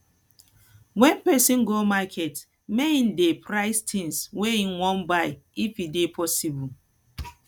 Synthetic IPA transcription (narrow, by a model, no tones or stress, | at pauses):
wɛ̃npɛsĩnɡomakʰɛt | meĩn̩depɾaɪstʰĩnsweinwɔ̃nbaɪifidepʰɔsibul